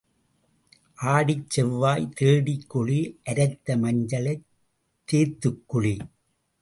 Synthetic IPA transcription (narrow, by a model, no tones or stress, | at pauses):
ʔaːɽɪt͡ʃːɛʋːaːjt̪eːɽɪkːʊɭiʔɐɾɐɪt̪ːɐmɐɲd͡ʒɐlɐɪ | t̪ːeːt̪ːɯkːʊɭi